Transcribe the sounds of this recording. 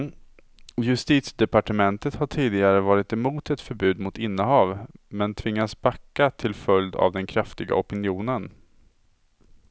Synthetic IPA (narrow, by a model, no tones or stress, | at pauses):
jɵst̪iːt̪sd̪ɛpaʈəmɛnt̪ət̪haʈʰiːd̪ɪɡaɾəvɑːɾɪt̪ɛmuːt̪ɛt̪fœɾbʉ̟ːd̪mʊt̪ɪnːəɦɑːvmɛnt̪ʰvɪŋːasbakːat̪ʰɪlfœld̪a̰vd̪ɛnkʰɾaft̪ɪɡa̰ɔpɪnɪuːnən